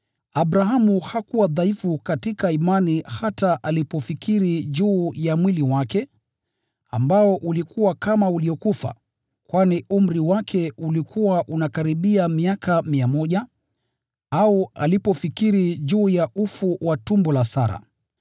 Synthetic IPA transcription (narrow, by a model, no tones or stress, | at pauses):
aɓɾaɦamuhakuwaðaifukatikaimanihataʔalipɔfikiɾiʄuːjamwiliwakɛ | a̰mbaɔʔulikuwakamauliɔkufa̰ | kwanium̩ɾiwakʰɛulikʰuwaʔunakaɾiɓiamiakʰamiamɔʄa | aua̰lipɔfikiɾiʄuːjaʔufuwatumbɔlasaɾa̰